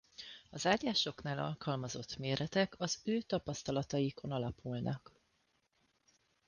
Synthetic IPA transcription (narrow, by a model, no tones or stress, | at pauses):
ɒzaːɟaːʃo̞knaːlɒ̰lkɒlmɒzo̞t̪ːmeːɾɛt̪ɛkɒzøːt̪ɒpɒst̪ɒlɒt̪ɒjikʰo̞nɒlɒpulnʔɒk